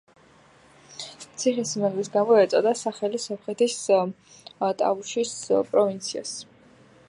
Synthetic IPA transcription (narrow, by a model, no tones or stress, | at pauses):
t̪sʰiχɛsmɛʁlisɡamɔɛt̪sʼɔd̪asaχɛlisɔpχɛt̪ʰis | t̪ʼa̰vuʃispʼɾɔvint̪sʰia̰s